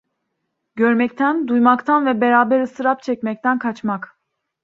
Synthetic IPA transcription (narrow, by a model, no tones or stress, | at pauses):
ɟøɾmɛct̪ʰænd̪ujmakt̪ʰanvɛbɛɾaːbɛɾɯsɯɾap̚t͡ʃʰɛcmɛc̚t̪ʰænkʰat͡ʃmak